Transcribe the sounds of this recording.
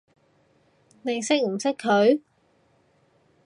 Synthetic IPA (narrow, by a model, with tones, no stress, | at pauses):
nɪ˨˩ŋsɪ˥k̚m̩˨˩sɪ˥kʰːɵ˨˧ɥ